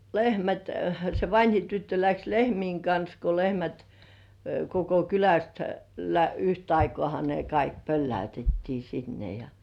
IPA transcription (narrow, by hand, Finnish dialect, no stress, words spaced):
lehmæt se ʋɑnʲhi tytːø læks lehmiːŋ kɑns ko lehmæt koko kylæst læyht ɑikŏɑˑhɑ ne kɑik pølːæytetːiː sinːe jɑ